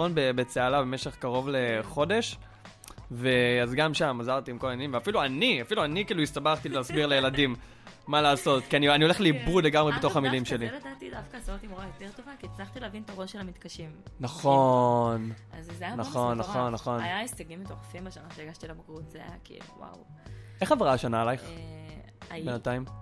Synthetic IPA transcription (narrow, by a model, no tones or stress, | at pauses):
onbebe̞t͡sealabemeʃe̞χkaʁo̞vle̞χo̞de̞ʃ | ve̞azɡamʃamazaʁt̪iːmkolaanimveafiluaniafiluanikiːluistabaχt̪ilɛasbiʁlejeladimː | alaːso̞t̪kianianio̞le̞χleibʁudleɡamʁebet̪o̞χamilimʃe̞liled̪aːt̪idafkasot̪imoajot̪eʁt̪o̞vakit͡slaχt̪ileavint̪aʁoʃelamit̪kaʃimnaχonazzjanaχo̞nːao̞nːaχo̞najaesteɡimit̪oʁfimbaʃanaʃeeɡaʃt̪ilabakʁut̪zeaja̰kḭːlṵwa̰w | e̞χaveʁaʃanalajχ | abenataim